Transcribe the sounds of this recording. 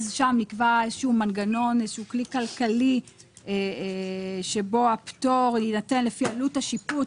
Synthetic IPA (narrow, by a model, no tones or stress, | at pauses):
zʃamnikvaezʃuumanɡano̞nezeʃuklikalkali | e | ʃebo̞apto̞ʁinate̞nlefialutaʃipu